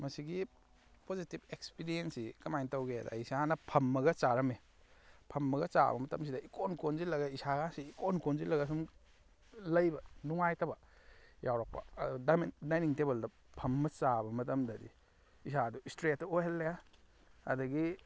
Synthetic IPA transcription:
mɐsiɡi | pozitip̚ekspiɾiensikɐmajntɐwɡedɐ̰isanɐpʰɐmːɐɡɐt͡ʃaɾɐme | pʰɐmːɐɡɐt͡ʃa̰bɐmɐtɐms̬idɐikonkonzilɐɡɐisaɡansiːkonkonzilɐɡɐs̬um | lɐjbɐnuŋajtʰɐbɐ | jawɾak̚pɐ̰dudamdajniŋtebɐldɐ | pʰɐmːɐt͡ʃabɐmɐtɐmdɐdḭː | saduistɾetːoɦelːeja | ɐdɐɡi

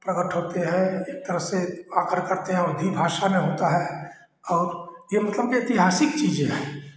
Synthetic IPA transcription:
pɾəɡəʈɦoːt̪eɦɛ̃eːk̚t̪əɾəɦseaːkəɾkəɾt̪eɦɛ̃ʊd̪ʱibʱaːʃamẽɦoːt̪aɦɛ | ɔːɾjemɐt̪ləbet̪ɪɦaːsɪkt͡ʃiːd͡ʒẽɦɛː

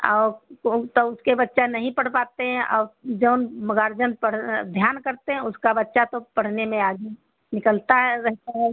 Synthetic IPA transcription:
ɔ̰ːɾt̪oʊskebətːʃanɐɦĩpəɽ̤paːt̪eɦɛ̃ʔɔːɾd͡ʒəʊnməɡaːɾd͡ʒənpəɽd̪ʱjaːnkəɾt̪eɦɛ̃ʊskabətːʃat̪opɐɽ̤nemẽaːɡe | nɪkəlt̪aɦɾɛɦt̪aɦɛ

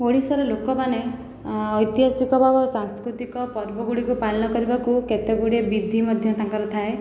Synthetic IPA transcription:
oɽisɔɾelokɔpane | ɔjt̪iɦasikɔbʱabɔsaŋskɾut̪ikɔpɔɾbɔɡuɽikupalnɔkɔɾibakuket̪eɡuɽiebid̪ʱimɔd̪ʱjɔt̪aŋkɔɾɔt̪ʰae

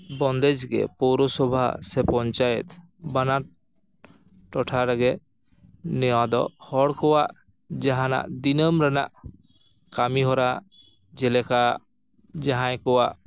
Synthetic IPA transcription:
bɔnd̪ɛd͡ʒɡɛ̰pɔwɾɔsɔbʱa̰sɛpɔɲt͡ʃajɛt̪ | banaɾ | ʈɔʈʰaɾɛɡɛ | nɛwãd̪ɔ̰hɔɽkɔwaʔ | d͡ʒaɦãna̰ʔd̪inɔmɾana̰ʔ | kamiɦɔɾa | d͡ʒɛlɛkaʔ | d͡ʒaɦãjkɔwaʔ

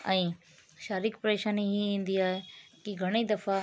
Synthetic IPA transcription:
ɛ̃ː | ʃaːɾɪkpɾeːʃəniɦiĩːn̆d̪iaːɦekiɡʱɐɽ̃id̪ɐfa

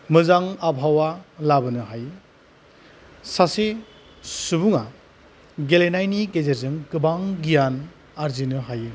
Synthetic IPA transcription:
mɯzaŋabʱawalabɯnɯɦaj | sase | suβuŋa | ɡelenajniɡezeɾzɯŋkɯbaŋɡijan | aɾzinɯɦajɯ

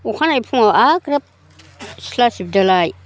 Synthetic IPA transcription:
uxanaipʰuŋaaɡɾap̚ | silasibdalai

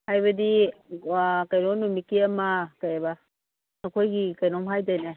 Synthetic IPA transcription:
hajβɐdi | kajnɔnumikiɐmakajeba | nakʰojɡikajnɔmɦajdajna

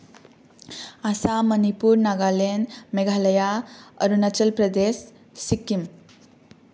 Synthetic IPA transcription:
asamənipuɾnaɡalenmeɡʱaləjaə̰ɾunat͡ʃəlpɾəd̪esː | ikːim

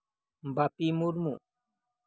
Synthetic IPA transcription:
mbapimuɾmu

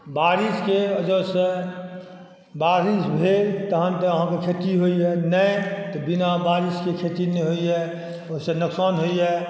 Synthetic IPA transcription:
baːɾiskeəd͡ʒose | baːɾisbʱet̪əɦə̃nt̪eəɦãkekʰet̪iɦoiɦɛnəẽt̪ɔbinabaːɾiskekʰet̪ineɦoiɦɛ | oɦsenʊksaːnɦoiɦɛ

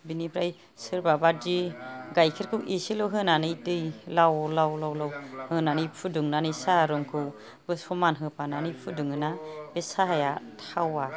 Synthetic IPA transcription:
binibʰɾaj | sɯɾbabadiɡajkʰiɾkʰɯwʔisilɯwɦɯnanɯjdɯjlawlawlawlawhɯnanɯjpʰudɯŋnanɯsaɾɯŋkʰɯw | bɯsʰɔmanɦɯpʰananɯjpʰudɯŋɯnab̥esaɦajatʰawa

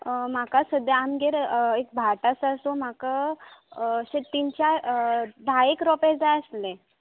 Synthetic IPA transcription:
m̤akasəd̪jaamɡeɾek̚bʱaʈasasom̤aka | ɕet̪int͡ɕa | d̪ʱaekɾɔpeɾd͡zajəslẽ

